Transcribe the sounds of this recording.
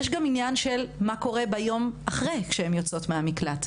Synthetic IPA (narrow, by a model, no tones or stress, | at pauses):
eʃɡaminjanʃe̞lmako̞ʁe̞bajo̞maχʁejkʃehemjot͡so̞tmeamiklat